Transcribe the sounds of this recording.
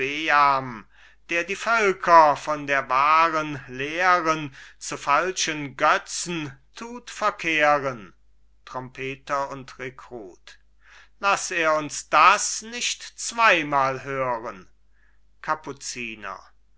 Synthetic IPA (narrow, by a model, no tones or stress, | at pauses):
b̥eam | d̥eːɐdiːfœlkʰɐfɔndeːɐvaːʁənleːʁənt͡sufalʃənɡœt͡sn̩tʰuːtfɛɐkʰeːʁən | tʁ̥ɔmpʰeːtɐʊntʁekʁ̥uːt | laseːɐʊnsd̥asnɪçtt͡sv̥aɪmaːlɦøːʁən | kʰaput͡siːnɐ̰